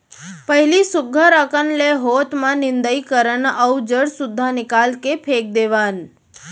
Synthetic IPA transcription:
pəɦilisʊɡʱəɾəkənleɦot̪mãnɪ̃nd̪əikəɾənəwd͡ʒəɽsud̪ʱːanɪkalkepʰek̚d̪eʋan

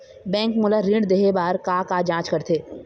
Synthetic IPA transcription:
bɛ̃ːŋkmʊlaɾɪ̃ɳɖd̪eɦebaːɾkaːkad͡ʒãːt͡ʃkɐɾt̪ʰeː

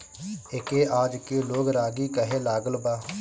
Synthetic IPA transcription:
ɪkeːʔaːd͡ʒkeːloːɡɾaːɡiːkəɦeːlaːɡəlbaː

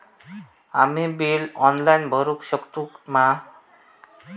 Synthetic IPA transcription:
amibilɔnlajnbʱʌɾukʃɔkt̪ukma

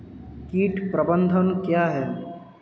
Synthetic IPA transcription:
kiːʈpɾəbə̃nd̪ʱənkjaːɦɛː

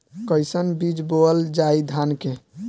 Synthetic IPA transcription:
kəjsənbid͡ʒboəld͡ʒaid̪ʱanke

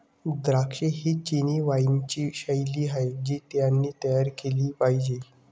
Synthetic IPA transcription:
d̪ɾakʂeɦiːt͡ɕiniːʋajnt͡ɕiːɕəjliːɦajd͡ʑiːt̪janːiːt̪əjaɾkeliːpaɦid͡ʑe

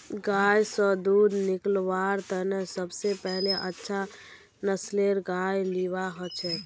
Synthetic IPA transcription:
ɡaːjsɔd̪uːd̪nɪklʋaɾt̪ənesəbsepɛɦleʔətːʃʰa | nəsleɾɡajliwaɦɔt͡ʃʰɛ

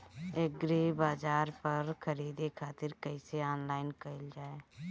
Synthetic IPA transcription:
eːɡɾeːbaːd͡ʒaːɾpəɾkʰəɾiːd̪ekʰaːt̪ɪɾkəɪseɔːnlaːɪnkəɪld͡ʒaːeː

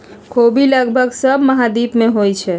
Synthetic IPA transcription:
kʰobiləɡbʱəɡsəbməɦad̪ipmeɦojt͡ʃʰɛ

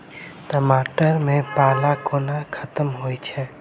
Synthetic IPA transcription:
ʈəmaːʈəɾmẽpaːlakoːnakʰət̪əmɦoit͡ʃʰɛ

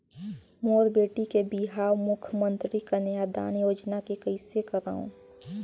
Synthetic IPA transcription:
moːɾbeːʈikebiɦaːwmʊkʰjəmənt̪ɾikanjad̪a̰ːnjoːd͡ʒnakekəɪsekəɾa̰ːṵ̃

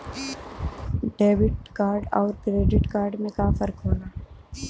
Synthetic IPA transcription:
ɖeːbɪʈ̚kaːɾɖɔːɾkɾeːɖɪʈkaːɾɖmẽkãːfəɾkɦoːlaː

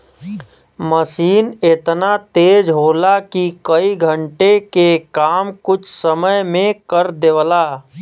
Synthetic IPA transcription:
məsiːnet̪nat̪eːd͡ʒɦoːlakikəiɡʱə̃ɳʈekekaːmkʊt͡ʃʰsəməjmẽkəɾd̪eʋlaː

